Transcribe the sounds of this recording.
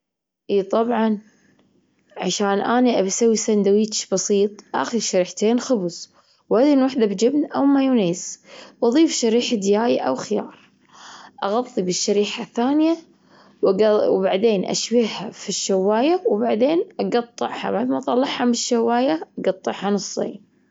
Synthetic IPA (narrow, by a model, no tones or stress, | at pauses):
ʔiːt̪ˤɑbʕɑn | ʕaʃaːnʔaniʔabsawːisand̪awiːt̪ʃbɑsiːt̪ˤʔa̰xiʃaɾiːħt̪eːnxʊbz | wad̪inwaħd̪abd͡ʒɪbnʔawmajuneːzwʔɑðˤiːfʃaɾiːħad̪jaːjaʔawxɪjɑːɾˤ | ʔɑɣɑðˤːibɪʃːaɾiːħaθːaːnɪja | wwbaʕd̪eːnʔa̰ʃbihafiʃːawːaːjawbaʕd̪eːnʔɑɡɑt̪ˤːɨʕha̰baʕd̪mɑʔt̪ˤɑlːɑʕhamɪʃːawːaːjaʔaɡɑt̪ˤːɨʕhanɨsˤːḭːn